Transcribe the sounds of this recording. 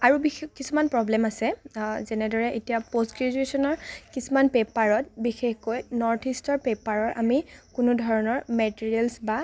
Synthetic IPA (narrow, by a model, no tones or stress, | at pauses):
aɹubixkisumanpɹɔblɛmasɛzɛnɛdɔɹɛʔetijapostɡɹid͡ʒuesɔnɔɹkisumanpepaɹɔt̚bixexkojnɔɹtʰistɔɹpepaɹɔɹʔa̰mikunʊdʱɔɹɔnɔɹmɛtiɹiɛlsba